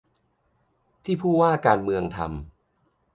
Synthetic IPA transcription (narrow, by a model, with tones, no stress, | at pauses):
t̪ʰiː˥˩pʰuː˥˩waː˥˩kaː˧nmɯ˧əŋt̪ʰa̰˧m